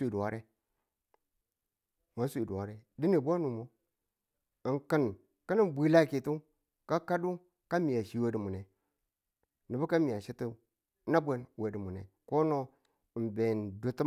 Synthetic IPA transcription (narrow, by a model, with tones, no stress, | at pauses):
i˨du˨wa˨ɾe˦ | ma˨˦sʷi˨du˨wa˨ɾe˦di˦ni˨bo˦nu˨mo˦ | i˨ŋkə˦n˨ | kə˦ni˦bʷi˦la˦˨ki˨tu˦ | ka˦ka˦du˦ | ka˦mi˨ja˨ʃi˨˦we˦di˨mu˨ne˨ | ni˨bu˦ka˦mi˨a˨ʃi˦ti˦ | na˦bʷe˦n˨we˨di˨mu˨nḛ˨ | ko˦no˦˨ | m˨be˨ndu˨ti˦